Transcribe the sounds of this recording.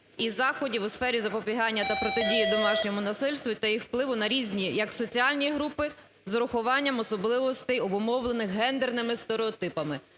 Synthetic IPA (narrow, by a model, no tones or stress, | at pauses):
izɑxɔdʲiwʊsfɛɾʲizɐpɔpʲiɦɑnʲːɐt̪ɐpɾɔt̪ɪdʲijid̪ɔmɑʃnʲɔmʊnɐsɪlʲst̪ʋʲʊt̪ɐjixwplˠɪʋʊnɐɾʲizʲnʲijɐksɔt͡sʲiɑlʲnʲijɦɾupɪ | zɾʊxʊʋɑnʲːɐmɔsɔblˠɪʋɔst̪ɛjɔbʊmɔwlˠenɪxɦɛnd̪ernɪmɪst̪eɾeɔt̪ɪpɐmɪ